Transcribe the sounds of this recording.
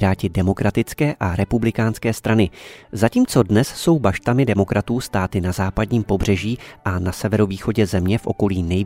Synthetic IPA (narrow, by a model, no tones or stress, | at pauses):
ɾaːcɪdɛmo̞kɾat̪ɪt͡skɛːʔaɾɛpublɪkaːnskɛːst̪ɾanɪzaciːmt͡so̞dnɛsso̞wbaʃt̪amɪdɛmo̞kɾʔat̪uːst̪aːt̪ɪnazaːpadɲiːmpo̞br̝̥ɛʒiːʔanasɛvɛɾoviːxo̞ɟɛzɛmɲɛfʔo̞̰ko̞liːnɛj